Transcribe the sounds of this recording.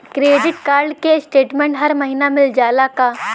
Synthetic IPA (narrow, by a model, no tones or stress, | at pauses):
kɾeːɖɪʈkaːɾɖkesʈeːʈmẽːɳʈɦɐɾmɐɦiːnamɪld͡ʒaːlaka